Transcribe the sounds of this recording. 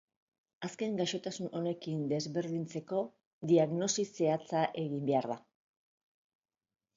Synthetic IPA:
aske̞ŋɡaʃo̞t̪asunʔo̞ne̞kind̪e̞zβe̞ɾðint͡se̞ko̞ | ðiaɣno̞sise̞at͡saʔe̞ɣimbe̞aɾða

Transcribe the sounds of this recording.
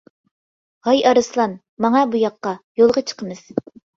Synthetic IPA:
ʁɑjɑɾɨslˠɑn | mɑŋɑbujɑqːɑjolˠʁɑt͡ʃʰə̥qʰəmɨz̥

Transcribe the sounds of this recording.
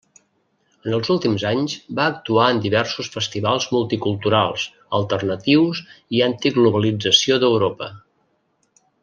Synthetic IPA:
ənəlˠzulˠt̪imzaɲzbaək̚t̪uaənd̪iβɛrsusfəst̪iβalˠzmulˠt̪ikulˠt̪uɾalˠs | əlˠt̪ərnət̪iwsiant̪iɡluβəlid͡zəsioðəwɾopə

